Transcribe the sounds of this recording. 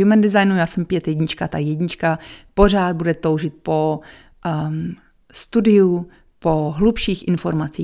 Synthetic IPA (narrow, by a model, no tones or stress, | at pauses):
jumɛndɪɛzajnujaːsɛmpjɛt̪jɛɟɲɪt͡ʃkat̪ajɛɟɲɪt͡ʃkapor̝aːd̪̚budɛt̪o̞wʒɪt̪̚po̞ | st̪udɪu | po̞ɦlupʃiːxʔɪnfoɾmat͡siː